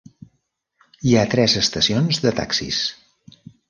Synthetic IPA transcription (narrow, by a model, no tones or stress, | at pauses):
iat̪ɾɛzəst̪əsionzðət̪a̰ksḭs